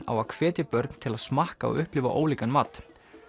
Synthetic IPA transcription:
a̰wakʰv̥ɛːt̪ɪpœɾt̪n̥t̪ʰɪlaðsmahkaɔ̰ʔʏhplɪːva̰ʔoːwliːkanmaːt̪

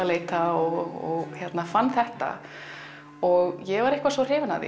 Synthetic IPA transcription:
aleːjt̪aɔɣɔ̰ɣçjɛt̪nafanːθɛht̪a̰ | ɔɣjɛɣvaɾɪhkvasvɔr̥ɪːvana̰ðɪ̰

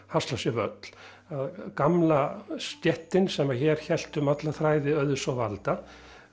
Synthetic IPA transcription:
hast̪lasjɛvœ̰t̪l̥ | aðkamlast̪jɛht̪ɪnsɛmaçɛːɾ̥çɛl̥t̪ʏmat̪laθɾaːjðɪœðʏsɔvalt̪a

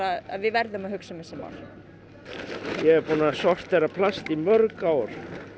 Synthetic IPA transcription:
aa̰ðvɪðvɛɾðʏmaðhʏksʏmɛsɛma̰ɾ | jɛɣɛɾpuːnasɔr̥t̪ːerapʰlast̪imœɾkawɾ̥

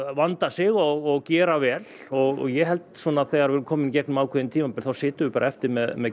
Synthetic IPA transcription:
vant̪asɪɣɔɣɔɣcɛːɾavɛːlɔɣɔ̰ɣjɛɦɛlt̪sɔːnaθɛːɣaɾɛːɾʏmkʰɔːmɪncɛknʏmaːwkʰɛðɪnt̪ʰiːmapɛlθawsɪːt̪ʏvɪpaːɾaɛft̪ɪɾmɛðmɛð

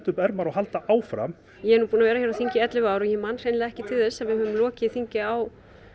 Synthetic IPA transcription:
t̪ʏpɛɾmaɾɔɦalt̪aʔaːwfɾa̰m | jɛɛɾnupuːnavɛːɾaçjɛɾawθiɲcɪɛt̪lʏvaːwɾɔjɛmanr̥ejnlɪaɛhcɪt̪ʰɪlθɛsːavɪhœvʏmlɔːcɪθiɲcɪaw

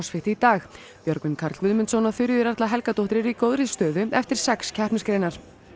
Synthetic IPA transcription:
sfɪht̪ɪit̪aːx | pjœɾkmɪnkʰaɾt̪vʏðmɪnt̪sɔwnaθʏɾjðʏɾart̪laɦɛlkat̪owht̪ɪɾɪɾikoːwðɾɪst̪œːðʏɛft̪ɪɾ̥sɛkscʰɛhpnɪskɾeːjnaɾ̥

